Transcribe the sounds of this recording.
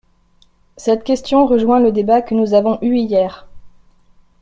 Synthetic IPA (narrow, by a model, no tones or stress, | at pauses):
sɛt̪kʲɛst̪jɔ̃ʁəʒwɛ̃ləd̪ebakənuzavɔ̃ʔyijɛːʁ